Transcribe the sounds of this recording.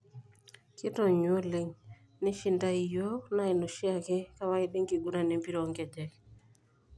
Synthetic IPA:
kɪ˦tɔ˨ɲwo˦le˨ŋ | nɪ˦ʃɪ˨nda˦i˨jo˦na˦ɪ˨no˨ʃɪ˦a˦˨kɪ˦ka˦wa˦ɪ˦de˦ŋɡi˨ɡu˦na˨ne˨˦mpi˦ɾo˨˦ŋɡɛ˨d͡ʒɛ˨k

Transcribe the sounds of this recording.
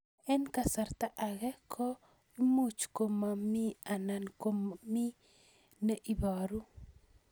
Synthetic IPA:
ɛ˦nka˨sa˨ɾt̪a˦ʔa˨ɣɛ˦kʰɔ˦ | i˦mu˦t͡ʃko˨ma˨mi˦a˨na˨nko˦mmi˦ | ne˦ʔi˦bɔ˨ɾu˦

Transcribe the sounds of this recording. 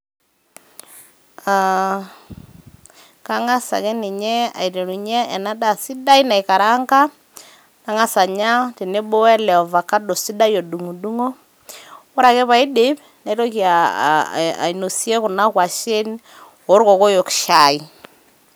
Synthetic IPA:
a | ka˦ŋa˦sa̰˨kɛ˦ni˨ɲɛ˦a̰˨i˨ɾe˨ɾu˨ɲɛː˦˨na˦da˨si˦da˦i˦na˨i˨ka˨ɾa˦ŋka˦ | na˦ŋa˦sa˨ɲa˦ti˨ne˦bo˦ɛ˦lɛ˨ɔ˨va˨ka˦do˨si˦da˦jo˨du˨ŋu˨du˦ŋo˦ | o˦ɾa˨kɛ˦βa˨i˦de˨˦p | na˨i˦ɾo˦ki˨a̰˨ | a̰˨i˨no˨si˦e˦kʊ˨na˦kwa˨ʃe˦n | o˨˦ɾko˨ko˦jo˨kʃa˨i˦˨

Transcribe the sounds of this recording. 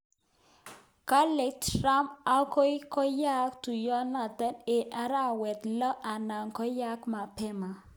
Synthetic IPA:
ka˦le˨k̚tɾa˦ma˦ko˦i˦kɔ˦ja˦kt̪u˨jɔ˦na˨d̪ɛ˦ne˨ʔa˦ɾa˦wɛ˨t̪lɔ˦ʔa˨na˨ŋkɔ˦ja˦kma˨pɛ˦ma˨

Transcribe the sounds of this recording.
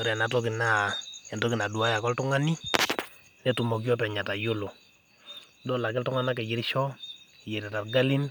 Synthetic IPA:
ɔ˦ɾa˨na˨tɔ˦kɪ˨na˨ɛ˨ntɔ˦kɪ˨na˨du˨a˦ja˨kɔ˦ltu˦ŋa˦ni˦ | nɛ˦tu˨mɔ˨k̬ɔ˦pɛ˨ɲa˨ta˨jo˦lo˨ | dɔ˦la˨kɛ˦ltʊ˦ŋa˦na˦k̬ɛ˨d͡ʒɪ˨ɾiʃɔ˦ɛ˨jɛ˨ɾɛ˨ta˨rɡa˦lɪ˦n

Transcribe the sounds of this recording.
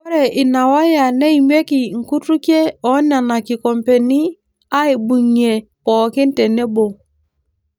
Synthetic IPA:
ɾe˨ʔi˨na˨wa˦ja˨ne˦i˨m˦e˦ki˨ŋ̩˨ku˦tu˦ke˦ɔ˨˦na˨na˨ki˨kɔ˨mpe˨ni˦ | a˦i˨bu˨ɲe˨pɔ˨kɪ˦n˦te˨ne˦bo˨

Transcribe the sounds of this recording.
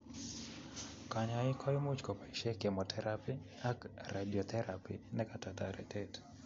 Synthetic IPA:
ka˨ɲa˨ɪ˦kʰɔ˦jmu˦t͡ʃkɔ˨pa˨iʃɛ˦ke˨mɔ˨tʰɛɾapi˦ | a˦kradi˨ɔ˨t̪ʰɛɾapḭnɛka˦ta˨ta˨ɾɛ̰˨tɛt

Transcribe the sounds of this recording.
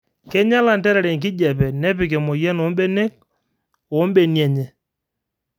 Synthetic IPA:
kɛ˦ɲa˦la˨ntɛ˦ɾɛ˨ɾɛ˨ŋk̬ɪ˦d͡ʒɛ˨pɛ˨nɛ˦pɪ˨k̬ɛ˨mo˨jɛ˦no˨˦mbɛ˦ne˦k̚ | o˨˦mbe˨njɛ˨ɲɛ˨

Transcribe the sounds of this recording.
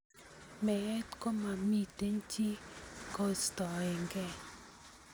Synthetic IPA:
mɛ˨ɛ˦t̪ko˦ma˨mi˦t̪e˦nt͡ʃi˦ko˦st̪ɔ˨ɛ˨ŋɡɛ˦˨

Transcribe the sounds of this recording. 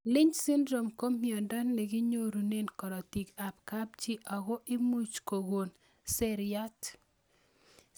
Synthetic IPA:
lɪ˦ɲsɪ˦ndɾo˨mko˦mi˨ɔ˨nda˦nːɛ˨ɡɪ˦ɲo˦ɾu˨ne˦nkɔ˨ɾɔ˨ti˨ka˨p̚ka˦b̚t͡ʃi˦ʔa˨ɡo˦ʔɪ˦mu˦t͡ʃko˨ɡo˨n | sɛ˦ɾɪa˦t

